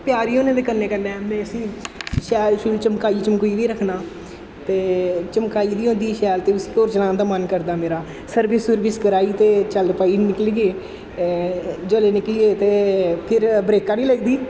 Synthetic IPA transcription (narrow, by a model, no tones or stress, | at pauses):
pjaːɾiːoːnẽːd̪eːkənːeːkənːɛːmɛ̃ːəsĩːʃɛːlʃuːɾut͡ʃəmkaːiːt͡ʃəmkuiːʋ̪iːɾəkʰnaː | t̪eːt͡ʃəmkaːiːd̪iːɦõːnd̪iːʃɛːlt̪eːʊsĩːoːɾt͡ʃəlaːnd̪aːmənkəɾd̪aːmeːɾaː | səɾbɪsʊɾʋɪskəɾaːiːt̪eːt͡ʃəlpaːiːnɪkliɡeː | d͡ʒəleːnɪkliːeːt̪eːpʰɪɾbɾeːkãːnĩːləɡd̪iː